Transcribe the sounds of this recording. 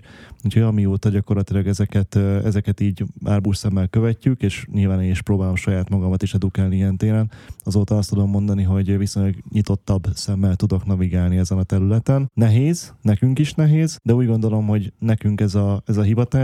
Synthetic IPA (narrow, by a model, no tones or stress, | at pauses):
uːcʰhoɟɒmioːt̪ɒɟɒko̞rlɒt̪ilɒɡɛzɛkɛt̪ɛzɛkɛt̪iːɟaːrbuːʃsɛmːɛlkøvɛcːykeːʃɲilvaːneːniʃpɾoːbaːlo̞mʃɒjaːt̪mɒɡɒmɒt̪iʃɛd̪ukaːlniiɛnt̪eːɾɛnɒzoːt̪ɒɒst̪ud̪o̞mːo̞nd̪ɒniɦo̞ɟvisojɲlɒɡɲit̪o̞t̪ːɒbsɛmːɛlt̪ud̪o̞knɒviɡaːlniɛzɛnɒt̪ɛɾylɛt̪ɛnnɛɦeːznɛkyŋkiʃnɛɦeːzd̪ɛuːɟɡo̞nd̪o̞lo̞mɦo̞ɟnɛkyŋkɛzɒɛzɒɦivɒt̪a